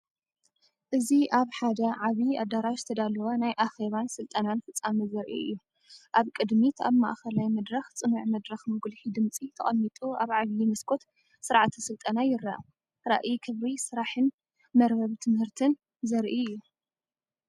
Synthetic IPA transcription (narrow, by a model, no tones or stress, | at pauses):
ʔɨziʔaβħad̪ɐʕaβiad̪aɾaʃzɨt̪ʰɐd̪alɐwanajʔaxe̞βansɨlt̪ʼɐnanfɨt͡sʼːamizɐɾʔḭɨ̰jːu | ʔaβkʼɨd̪mit̪ʰaβma̰ʔxɐlajmɐd̪ɾɐxt͡sʼɨnuʕmɐd̪ɾɐxmɨɡulħid̪ɨmt͡sʼit̪ʰɐ̰χʼɐmːit̪ʼuʔaβʕaβjimɨskʰo̞t̪ | sɨɾʕat̪ʰisɨlt̪ʼɐnajɪɾaʔa | ɾa̰ʔikʰɨβɾisɨɾaħɨn | mɐɾbɐβt̪ʰɨmhɨɾt̪ʰɨn | zɐɾʔiɨjːu